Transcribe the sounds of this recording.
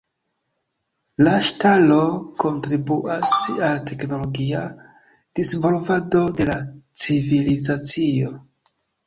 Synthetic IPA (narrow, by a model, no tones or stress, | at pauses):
laʃtalo̞ko̞ntɾibuasaltʰe̞kno̞lo̞ɡia | d̥isvo̞lvado̞de̞lat͡sivilizat͡sio̞